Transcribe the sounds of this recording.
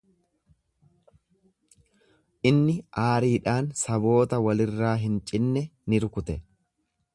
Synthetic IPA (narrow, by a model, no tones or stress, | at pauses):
ʔɪnːɪʔaːɾiːᶑaːnsɐbo̞ːt̪ɐwɐlɪrːaːɦɪnt͡ʃʼɪnːɛnɪɾʊkʊt̪ɛ